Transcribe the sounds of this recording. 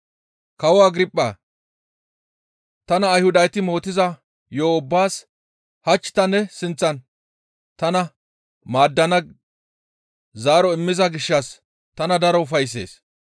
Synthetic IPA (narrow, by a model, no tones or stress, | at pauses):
kɐwɔaɡɾɪpʼːɐ | t̪ɐnɐːjhʊd̪ɐjt̪ɪmo̞ːt̪ɪzɐ | joːʊbːaːs | hɐt͡ʃːɪ̥t̪ɐnːɛsɪnt͡sːɐn | t̪ɐnɐ | maːd̪ːɐnɐ | zaːɾɔɪmːɪzɐɡɪʃːɐs | t̪ɐnɐd̪ɐɾɔʊfɐjs̬ːe̞̰ːs